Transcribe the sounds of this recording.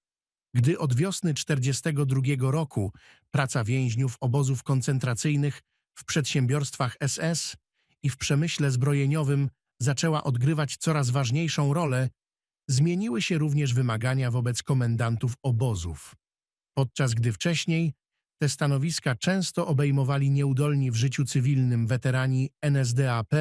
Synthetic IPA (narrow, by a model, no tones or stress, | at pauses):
ɡd̪ɘʔɔd̪vʲjɔsnɘt͡ʂt̪ɛɾd͡ʑɛst̪ɛɡɔd̪ɾuɡʲjɛɡɔɾɔkʰu | pɾat̪savʲjɛ̃w̃ʑɲufɔbɔzufkɔnt̪sɛnt̪ɾat̪sɘjnɘx | fpʂɛt̪ɕɛmbʲjɔɾst̪faxɛsɛs | ifpʂɛmɘɕlɛzbɾɔjeɲɔvɘm | zat͡ʂɛwaʔɔd̪ɡɾɘvat͡ɕt̪sɔɾazvaʐɲejʂɔ̃w̃ɾɔlɛ | zmʲjeɲiwɘɕɛɾuvɲɛʐvɘmaɡaɲavɔbɛt̪skɔmɛnd̪ant̪ufɔbɔzṵf | pɔt̪̚t͡ʂazɡd̪ɘft͡ʂɛɕɲej | t̪ɛst̪an̪ɔvʲiskat͡ʂɛ̃w̃st̪ɔʔɔbɛjmɔvalʲiɲɛud̪ɔlɲivʐɘt͡ɕut̪sɘvʲilnɘmvɛt̪ɛɾaɲiɛnɛz̬d̪ɛapɛ